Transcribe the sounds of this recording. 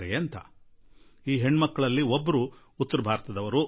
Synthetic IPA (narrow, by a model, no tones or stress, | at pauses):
ɾeɐnt̪ɐ̰ | iːɦe̞ɳːmɐkːɐɭɐlːiobːɐɾu | ut̪ːɐɾɐbʱaːɾɐt̪ɐd̪ɐʋɐɾu